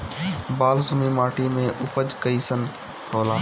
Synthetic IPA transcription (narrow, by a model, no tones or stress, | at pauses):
baːlsumimaːʈʰimẽʔupəd͡ʒkəisən | hʰoːlaː